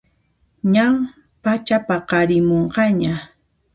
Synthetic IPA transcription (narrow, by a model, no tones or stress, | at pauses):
ɲam | pat͡ʃapaqɑɾɪmoɴɢɑɲa